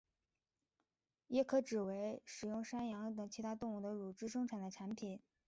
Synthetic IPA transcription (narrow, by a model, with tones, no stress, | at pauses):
jɛ˥kʰɤ˥˩ʈ͡ʂɻ̩˨˩we˧˥ɪʂɻ̩˨˩jʊ˥˩ŋʂa˥njɑ˧˥ŋ˥t̪ɤ˨˩ŋt͡ɕʰi˧˥t̪ʰa˥t̪ʊ˥˧ŋu˥˩d̪ə˦ɻu˨˩ʈ͡ʂɻ̩˥˧ʂɤ˥ŋʈ͡ʂʰa˨˩nd̪ə˦ʈ͡ʂʰa˧˥npʰi˨˩˦n